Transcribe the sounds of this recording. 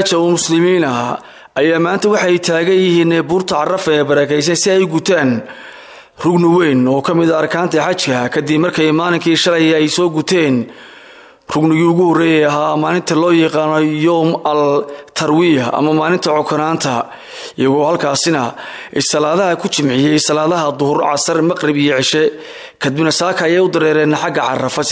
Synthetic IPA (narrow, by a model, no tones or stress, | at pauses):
at͡ʃɐɔːmʊslɪmiːnɐ | ʔɐjaːmaːnt̪ʰɐwɑħɑjt̪ʰaːɣɐjɪɦiːnɛbuːrt̪ʰɐʕɑrɐfɐɛjbɐɾɛːkʰɛjs̬ɐnsɪɛjɡʊt̪ʰaːn | rʊɡnɪwɛjnɔːkʰɐmɪðɐːrkʰaːnt̪ʰɐħɑt͡ʃkʰɐkʰɐd̪ɪbmɐrkʰɛjmaːlɪŋkʰiːʃɐlɛjɛjsɔːɡʊt̪ʰɛːn | rʊɡnɪɣiːʊɣʊhɔrɛjɛːɐɦaːmaːlɪnt̪ʰɐlɔːjɐqɑːnɔjɔmɐlt̪ʰɐrwiːɐɐ̰mɐmaːlɪnt̪ʰɐʕɔkʰʊnaːnt̪ʰɐ | ɪjɐɣɔːhɐlkʰaːsɪnɐ | ʔɛsɐlaːðɐɦɐkʰʊt͡ʃɪmʕɪjɛjsɐlaːðɐɦɐd̪ʊhʊrʕɑ̰sɐrmɐqrɪbijɔʕɪʃɛ | kʰɐd̪ɪbnɐsaːkʰɐːjɛjʊd̪ɐɾɛːɾɛːnɐħɑɡɐʕɑ̰rɐfɐ